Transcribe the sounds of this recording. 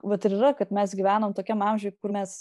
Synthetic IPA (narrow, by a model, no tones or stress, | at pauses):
ʋɐt̪ɪɾirɐkɐt̪mʲɛsɡʲiʋʲæːnoːmt̪oːkʲɛmɑmʲʒʲoːjkʊrmʲɛs